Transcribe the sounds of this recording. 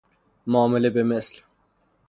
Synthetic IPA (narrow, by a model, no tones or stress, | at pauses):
mɑːmɪlibɪmɪsl